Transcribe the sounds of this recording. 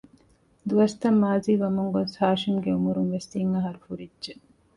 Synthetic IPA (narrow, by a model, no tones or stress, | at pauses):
d̪uʋɐst̪ɐmːaːziːʋɐmuŋɡonsaːʃimɡeumuɾunʋest̪iŋɐɦɐɾufuɾidːʒe